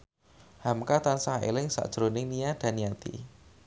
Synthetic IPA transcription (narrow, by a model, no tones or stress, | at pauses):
hamkat̪ansaɦḛlɪŋsa̰ʔd̥ʒ̥ɾonɪŋnijad̥a̤nijat̪ḭ